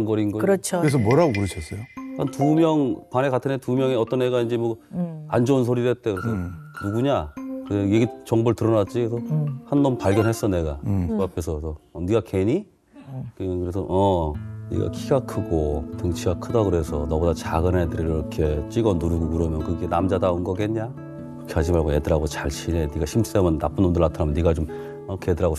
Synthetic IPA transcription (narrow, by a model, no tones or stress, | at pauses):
ŋɡʌɾinɡʌkɯɾʌt͡ɕʰoɯɾes̬ʌmʌɾaɡokɯɾɯɕʰʌs͈ʌjokantumjʌŋpane̞katʰɯnetumjʌŋeʌt͈ʌnːeɡaind͡ʑemʌa̰nd͡ʑounsʰoɾidet͈ekɯesʰʌnuɡuɲakɯejeɡit͡ɕʌŋbɯɭtɯɾʌnat̚t͡ɕ͈ikesʰʌhanːʌmpaɭɡjʌnɦe̞s͈ʌne̞ɡaapʰe̞sʰʌtʌʌniɡake̞ɲi | kɯkɯɾesʰʌ̰ʔʌnḭɡa̰kʰiɡakʰɯɡotɯŋt͡ɕʰiɡakʰɯdakɯɾe̞sʰʌnʌbodat͡ɕaɡɯnedɯɾiɾiɾʌkʰe̞t͡ɕ͈iɡʌnuɾuɡokɯɾʌmjʌnkɯɡenamd͡ʑadaunɡʌɡeɲa | kʰeaɕʰimaɭɡoedɯɾaɡot͡ɕaɭɕʰine̞niɡaɕʰims͈emjʌnːap͈ɯnondɯɭːatʰaɾamʌnːiɡat͡ɕom | kʰeedɯɾaɡo